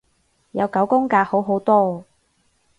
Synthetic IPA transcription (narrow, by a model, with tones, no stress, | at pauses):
jɐ˨˧wkɐ˨˥wkʊ˥ŋkaː˧ho˨˥wɦo˨˥wt̪ɔː˥